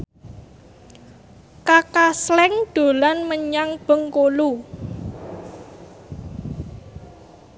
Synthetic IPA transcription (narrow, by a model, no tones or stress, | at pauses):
kakaslɛŋd̪̥o̤lanməɲaŋb̥ə̤ŋkolu